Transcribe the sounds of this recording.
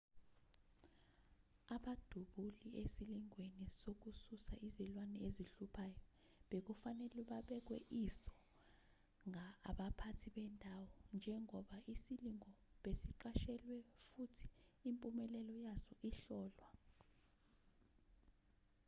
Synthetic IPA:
aɓad̥ʱuɓuliesiliŋwenisok̬ususaizɛlwanɛeziɬupʰajɔ | ɓek̬ufanɛlɛɓaɓɛk̬wɛʔisɔ̥ | ŋʱaɓapʰatʰiɓɛndʼʱawɔnd͡ʒʱɛŋɔɓaisiliŋʱɔɓesiǃaʃɛlwɛfutʰi̥impʼumɛlɛlɔjazɔʔiɬɔːlwa

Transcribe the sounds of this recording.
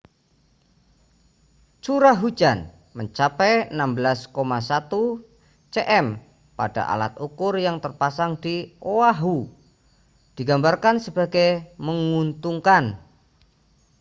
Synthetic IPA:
t͡ʃuɾaɦud͡ʒan | məɲt͡ʃapɛənambəlaskomasat̪u | t͡ʃeʔɛm | pa̰d̥a̰ʔa̰la̰t̪̚ukʊrjaŋt̪ərpasaŋdiʔoaɦu | d̥iɡambarkansəba̤ɡajməŋunt̪uŋkan

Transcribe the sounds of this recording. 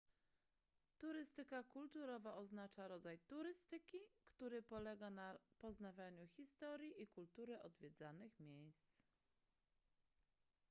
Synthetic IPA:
t̪uɾɘst̪ɘkakult̪uɾɔvaʔɔznat͡ʂaɾɔd̪zajt̪uɾɘst̪ɘkʲikt̪uɾɘpɔlɛɡanapɔznavʲjaɲuxʲist̪ɔɾʲjiʔikult̪uɾɘʔɔd̪vʲjɛd̪zanɘxmʲjejst̪s

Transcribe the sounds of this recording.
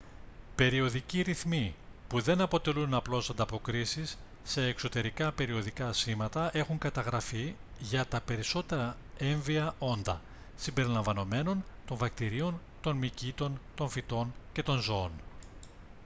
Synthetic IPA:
pe̞ɾio̞ðiciɾiθmipuðe̞nɐpo̞t̪e̞lunɐplo̞sɐnd̪ɐpo̞kɾisisː | e̞ːkso̞t̪e̞ɾikɐpe̞ɾio̞ðikɐsimɐt̪ɐʔe̞xuŋkɐt̪ɐɣɾɐfiʝɐt̪ɐpe̞ɾiso̞t̪e̞ɾɐ | e̞ɱviɐʔo̞nd̪ɐ̰ | simbe̞ɾilɐɱvɐno̞me̞no̞nt̪o̞ɱvɐk̚t̪iɾio̞n | t̪o̞nmicit̪o̞nt̪o̞ɱfit̪o̞nce̞t̪o̞nzooon

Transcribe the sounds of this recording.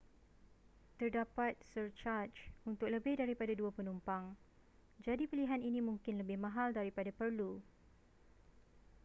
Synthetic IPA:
t̪ərdapat̪̚sərt͡ʃart͡ʃunt̪ʊk̚ləbɪhdaɾipadaduapənumpaŋ | d͡ʒadipiliɦaninĩmũŋkɪnləbɪhmãɦaldaɾipadapərlu

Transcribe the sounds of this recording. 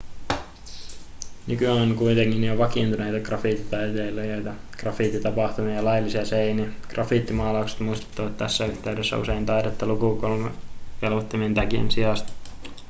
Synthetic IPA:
nykyæoŋkuit̪eŋkinioʋɑkint̪unejt̪ɑkrɑfiˑt̪ːit̪ɑjt̪eilːojojt̪ɑ | krɑfit̪ːit̪ɑpɑht̪umiɑlɑjlːisiɑseiniɑɡ̥rɑfit̪ːimɑːlɑukse̥t̪muist̪e̥t̪ːɑʋɑt̪t̪ːæsːæyht̪eydesːæ̰ṵseint̪ɑidɑt̪ːɑlukukolmekelʋot̪ːimient̪ækiḛnsiɑst̪

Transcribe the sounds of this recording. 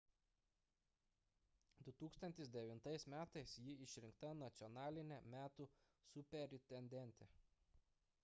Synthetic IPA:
d̪ʊt̪uːkst̪ɐnʲt̪ʲɪsd̪ʲɛʋʲɪnt̪ɐɪsmʲæːt̪ɐɪsjɪɪʃʲɾʲɪŋkt̪ɐnɐt̪sʲɪɔnɑːlʲɪnʲɛmʲæːt̪uː | sʊpʲɛɾʲɪt̪ʲɛnʲd̪ʲɛnʲˑt̪ʲɛ

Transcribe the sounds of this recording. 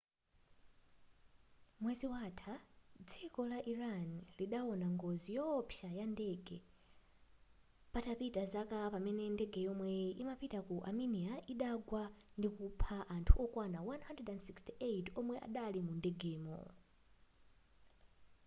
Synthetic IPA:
mwɛziwatʰad͡zikɔlaʔiɾanliɗawɔnaŋɡɔzijɔpʰjajandɛɡɛ | patapitazakapamɛnɛndɛɡɛjɔmwɛimapitakuʔaminiaʔiɗaɡwandikupʰaʔantʰuʔɔkwanawanhandrɛdɛndsikstiʔejtɔmwɛʔa̰ɗalimundɛɡɛːmɔ̰

